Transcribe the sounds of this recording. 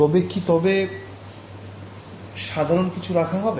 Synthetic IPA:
ɔbekʰːit̪ɔbe | ʃad̪ʱaɾonkit͡ɕʰuɾakʰaɦɔbe

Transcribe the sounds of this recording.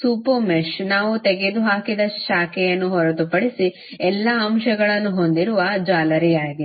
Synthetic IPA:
suːpumeʃnaːʋut̪eɡed̪uɦaːkid̪ɐʃaːkɛjɐnːuɦɔɾɐt̪upɐɽisi | ɛlːɐɐmʃɐɡɐɭɐnːuɦo̞nd̪iɾuʋɐd͡ʒaːlɐɾijaːɡi

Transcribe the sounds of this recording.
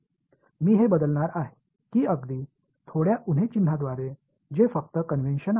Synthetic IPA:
miːɦebəd̪əlnaɾaɦe | kiːəɡd̪iː | t̪ʰoɽjaʔun̤ɦet͡ɕin̤ad̪ʋaɾe | d͡ʑefək̚t̪əkənʋenɕəna

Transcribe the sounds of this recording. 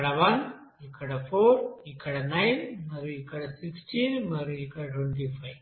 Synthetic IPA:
ɽaʋɐn | ikʰaɽafoɾikaɽanajnməɾuikaɽasiksʈinməɾuikaɽʈʰweɳʈ̬ifaj

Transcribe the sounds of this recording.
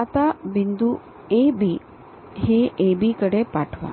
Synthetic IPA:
at̪abind̪u | ebʱi | heʔebʱikəɽepaʈʰʋa̰

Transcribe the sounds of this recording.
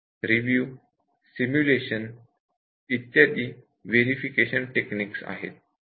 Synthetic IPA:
ɾiʋjuː | simjuleɕən | it̪ːjad̪iː | ʋeɾifikeɕənʈekniːksa̰ɦḛt̪̚

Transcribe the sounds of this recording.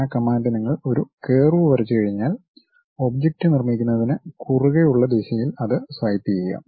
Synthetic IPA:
akɐmːaːndɐniŋːɐɭo̞ɾuke̞ːruʋʋɐɾɐt͡ɕːɨkɐɻiɲːaːl | o̞bd͡ʑek̚ʈɨnirmikʲːunːɐðinɨkuruɣɐjuɭːɐd̪eːɕɐjilɐðɨsʋaːjit̪ːijɐjɐ̰ːm

